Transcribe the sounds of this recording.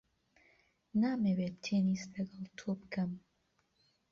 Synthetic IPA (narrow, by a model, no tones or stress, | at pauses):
naːmewet̪t̪ʰeːniːst̪lɐɡɐlˠt̪ʰobɨkʰɐm